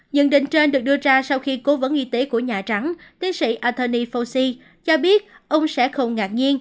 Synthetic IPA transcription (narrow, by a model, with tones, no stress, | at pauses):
ɲə̰˧˨nɗḭ˧˨ŋ̟t͡ɕe˧nɗɨ˨˩ək̚ɗɨ˧əzaː˧sa˧wxi˧ko˨˦və˨˦nʔi˧t̪e˨˦ku˧˩əɲaː˨˩t͡ɕa˨˦ŋt̪i˨ənsḭ˧˨ʔaː˧t̪ʰəː˧ni˧fo˧si˧ | t͡ɕɔ˧ɓi˦˥ət̚ | ʔə˧wŋ͡msɛ̰˧˥xə˧wŋ͡mŋaː˨˩t̚ɲi˧ən